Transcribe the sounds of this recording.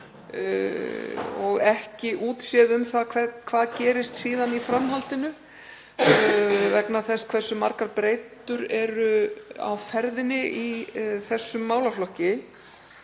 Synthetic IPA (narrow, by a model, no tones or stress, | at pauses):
ɔɣɛhcɪʔuːt̪sjɛðʏmθaðkʰvɛkʰvaːðcɛːɾɪst̪siːðanifɾamɦalt̪ɪnʏ | vɛknaθɛskʰvɛrsːʏmaɾkaɾpɾeːjt̪ʏɾɛɾʏa̰wfɛɾðɪnɪʔiθɛsːʏmːaːwlaflɔhcɪ